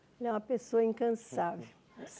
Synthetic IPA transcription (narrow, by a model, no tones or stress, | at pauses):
ɛlɛũmɐpesoɐĩŋkɐ̃savew